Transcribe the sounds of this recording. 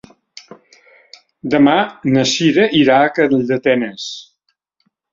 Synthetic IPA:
d̪əmanəʃiɾəʔiɾakəld̪ət̪ɛnəs

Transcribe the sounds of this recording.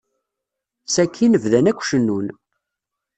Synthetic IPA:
sækʰːinəvðænækʷːʃənːun

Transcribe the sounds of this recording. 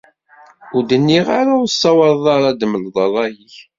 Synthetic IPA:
ʊɾd̪ənːiʁaɾaʊsːɑwɑɾðˤɑɾˤɑd̪məlðˤɑlˤɑjiç

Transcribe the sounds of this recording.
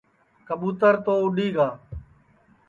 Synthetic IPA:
kəɓuːt̪əɾt̪oːʊɗiːɡaː

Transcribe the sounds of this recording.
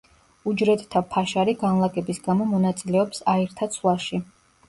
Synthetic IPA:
ud͡ʒɾɛt̪t̪ʰapʰaʃaɾiɡanlˠaɡʼɛbisɡamɔmɔnat̪sʼilɛɔpsaiɾt̪ʰat̪sʰlˠaʃi

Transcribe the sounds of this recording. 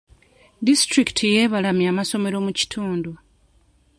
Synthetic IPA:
distɾiki̥tʰijeːβalamjaːmaso̞me̞ɾo̞muci̥tʰuːndu

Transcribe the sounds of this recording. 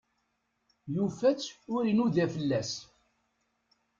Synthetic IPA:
jufæt͡sːʊɾinuðæfəlːæs

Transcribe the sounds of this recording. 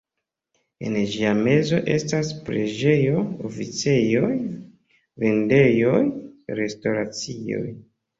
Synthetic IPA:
e̞̰nd͡ʒiame̞zo̞ʔe̞staspɾe̞d͡ʒe̞jo̞ofit͡se̞jo̞j | ve̞nde̞jo̞jɾe̞sto̞ɾat͡sio̞̰j

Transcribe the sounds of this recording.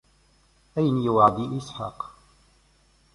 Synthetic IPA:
ʔajnijʊwʕad̪iːʔɪsħɑ̰ːq

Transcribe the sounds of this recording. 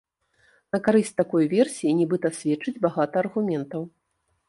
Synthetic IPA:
nɐkaɾɨsʲt͡sʲt̪akɔjvʲɛrsʲijinʲɛbɨt̪ɐsʲvʲɛt͡ʂːɨd͡zʲbaɣat̪ɐːrɣumʲɛnt̪ɐw

